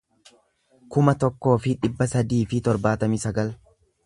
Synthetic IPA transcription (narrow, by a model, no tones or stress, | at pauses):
kʊmɐt̪ɔkːo̞ːfɪᶑɪbːɐsɐd̪iːfɪt̪ɔɾbaːt̪ɐmɪsɐɡɐl